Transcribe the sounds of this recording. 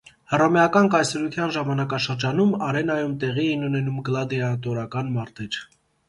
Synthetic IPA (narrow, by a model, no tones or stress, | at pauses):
hərɑmɛjɑkɑnkɑjsɛɾut̪ʰjɑnʒɑmɑnɑkɑʃəɾd͡ʒɑnumɑɾɛnɑjumt̪ɛʁiɛinunɛnumɡəlɑd̪iɑt̪ɔɾɑkɑnmɑɾt̪ɛɾ